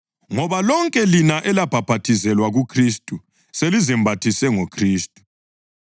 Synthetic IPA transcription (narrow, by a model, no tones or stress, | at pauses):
ŋɔβalɔŋkʼɛlinaʔɛlab̥ʱab̥ʱatʰizɛlwaɣukʰristʼu | selizɛmbʱatʰisɛŋokʰriːstʼu̥